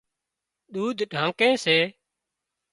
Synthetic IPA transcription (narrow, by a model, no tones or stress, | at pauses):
ɗuːd̪ʱɖʱãːŋkẽːseː